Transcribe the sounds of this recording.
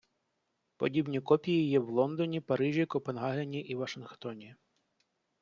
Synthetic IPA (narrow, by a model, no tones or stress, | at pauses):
pɔ̰dʲibnʲikɔpʲijijɛwlˠɔnd̪ɔnʲipɐɾɪʒʲikɔpenɦɑɦenʲiʔiʋɐʃɪnxt̪ɔnʲi